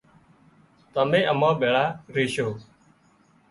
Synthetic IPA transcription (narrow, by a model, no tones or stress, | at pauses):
t̪əmẽːʔəmãːɓeːɭaːɾeːʃoː